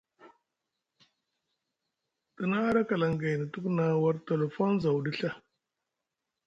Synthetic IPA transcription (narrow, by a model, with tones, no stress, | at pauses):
tə˨na˦a˦ɾa˦ka˨la˨ŋɡa˨jni˨tu˦kna˨wa˦ɾte˨le˨fo˦nza˨wdi˦ɬa˦